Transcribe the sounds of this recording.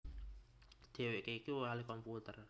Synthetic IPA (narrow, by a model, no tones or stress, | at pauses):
d̪̥e̤weʔkekiwoalikɔmput̪ər